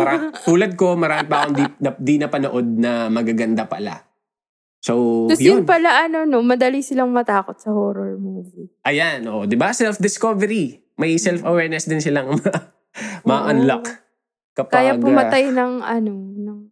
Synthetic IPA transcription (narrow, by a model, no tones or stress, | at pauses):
ɾat̪uːlɐd̪̚ko̞mɐɾaːmɪpɐʔkond̪iɐd̪inɐpɐnoʔo̞d̪̚nɐmɐɡaɡɐnd̪apɐla̰ | sow̪ɐjɪnnpɐlaʔɐno̞nomɐd̪ɐlisɪlɐŋmɐt̪aːkot̪̚sɐhoːɾoɹmuːviʔɐjanʔoːʔod̪ɪbasɛlfd̪ɪskovɛɾi | mɐjsɛlfɐwɛɹnɛsd̪ɪnsɪlaŋmɐ | mɐʔɐnlak | kɐpkaːjɐpʊmɐt̪ajnɐŋɐnonɐŋ